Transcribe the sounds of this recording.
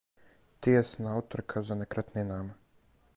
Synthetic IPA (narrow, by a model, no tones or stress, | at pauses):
t̪eɛsnaut̪əɾkʰazanɛkɾat̪nɛnam